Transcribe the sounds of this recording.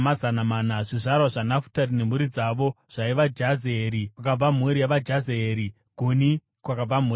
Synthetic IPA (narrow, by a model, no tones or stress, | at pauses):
mazanamaːnaʐiʐarwaʐanafu̥tarine̞muɾid͡zaʋo̞ʐ̥aiʋad͡ʒazeeːɾikwakab͡vam̤uɾijaʋad͡ʒazeeːɾi | ɡ̥ʱuni | kwakab͡vam̤u